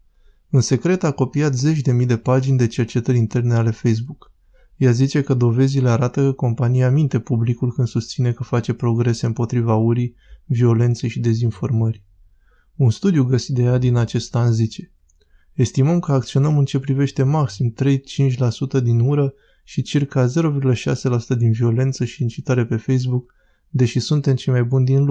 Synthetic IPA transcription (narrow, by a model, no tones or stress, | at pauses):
unse̞kɾe̞t̪ako̞piat̪ze̞t͡ʃʲd̪e̞mid̪e̞pad͡ʒinʲd̪e̞t͡ʃe̞rt͡ʃe̞t̪əɾʲint̪e̞rne̞ale̞fe̞js̬buk | jazit͡ʃe̞kəd̪o̞ve̞zile̞aɾat̪əkəko̞mpanijamint̪e̞publikulkɨnsust̪sine̞kəfat͡ʃe̞pɾo̞ɡɾe̞se̞ɨmpo̞t̪ɾivauɾi | vio̞le̞nt̪se̞jʃid̪e̞zinfo̞rmərʲ | unst̪ud̪juɡəsit̪̚d̪e̞jad̪inat͡ʃe̞st̪anzit͡ʃe̞ | est̪iməmkəak̚t̪sio̞nəmɨnt͡ʃe̞pɾive̞ʃt̪e̞maksimt̪ɾe̞jt͡ʃint͡ʃʲlasut̪əd̪inuɾə | ʃit͡ʃirkaze̞ɾo̞virɡuləʃa̰se̞lasut̪əd̪invio̞le̞nt̪səʃiːnt͡ʃit̪aɾe̞pe̞fe̞js̬buk | d̪e̞ʃisunt̪e̞mt͡ʃe̞jmajbund̪inlu